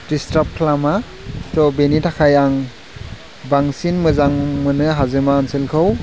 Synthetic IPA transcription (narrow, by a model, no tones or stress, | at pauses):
distap̚kʰlama | tɔbenitʰakʰajaŋ | baŋsinmɯzaŋmɯnɯɦazɯmaːnsilkʰɯw